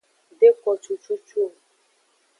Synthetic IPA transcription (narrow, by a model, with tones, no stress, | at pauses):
de˦kɔ˨t͡ʃu˨t͡ʃu˦t͡ʃu˦o˨